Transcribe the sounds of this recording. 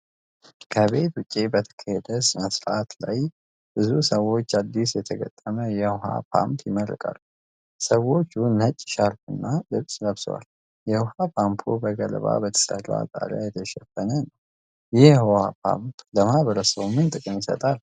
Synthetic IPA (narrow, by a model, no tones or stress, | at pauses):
kʰəβe̞t̪wʊt͡ʃʼːibət̪ʰə̥kʰəhɛd̪əsməsɾat̪laj | b̥ɨzusəwːo̞t͡ʃːad̪ːisjɛt̪ʰəɡət̪ʼːəməjɛhɦa̰pʰa̰mpʰjɪməɾɨ̰kʼa̰lːu | səwo̞t͡ʃːunːət͡ʃʼːʃaɾt̪ʰɨnːalɨβsʼləβswa̰l | jɛhapʰampʰubəɡələβa̰bət̪ʰə̥sə̰rːa̰t̪ʼa̰lajɛt̪ʰəʃɛfənənəw | jɪhhhapʰa̰mpləmaβəɾəsəwmɨnt̪ʼɨkʼɨnjɪsə̰t̪ʼal